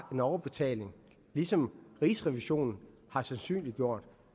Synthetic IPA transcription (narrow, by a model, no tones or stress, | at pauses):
e̝nɒʊɐb̥e̝t͡sʰɛ̰ːle̝ŋ | lisɒ̽mʁisʁɛʋiɕo̝̰ːnn̩ | hɑ̈sænsy̰ːnlid̥ɡjo̝ɐ̰d̥